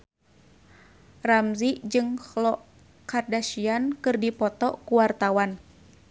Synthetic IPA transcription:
ramziʔd͡ʒɨŋhlɔʔ | kardaʃiankɨrdipɔt̪ɔkuwart̪awan

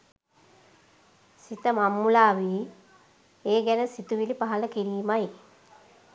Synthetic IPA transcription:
sit̪əmamːulaːʋiː | eːɡænəsit̪uʋilipaɦɐləkiɾiːmaj

